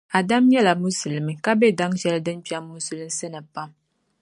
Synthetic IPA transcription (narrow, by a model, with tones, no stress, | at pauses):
a˨da˦mɲɛ˦la˨mu˦su˨lɨ˨mɨ˨ka˦bɛ˦da˦ŋʒɛ˦lɨ˦dɨ˦n˦pi˦aː˦u˦su˨lɨ˦m˦sɨ˦nɨ˨pa˦m